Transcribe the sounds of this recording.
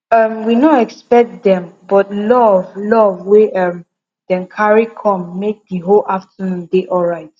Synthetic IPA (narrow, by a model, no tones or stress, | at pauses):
ʌmwinɔɛkspɛk̚tdɛ̃mbɔtlɔvlɔvweʔʌ̃m | d̥ɛ̃nkʰaɹikʰɔ̃mːek̚diɦolaftənũndeʔɔlɹaɪt